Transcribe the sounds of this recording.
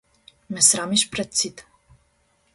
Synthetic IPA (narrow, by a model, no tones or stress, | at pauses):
mɛsɾamiʃpɾɛt̪̚sit̪